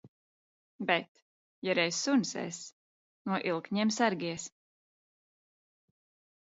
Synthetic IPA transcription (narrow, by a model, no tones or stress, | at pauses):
bɛt̪ | jaɾɛjssunsɛ̰s | nuɔʔilˠkɲiɛmsaɾɡʲiɛs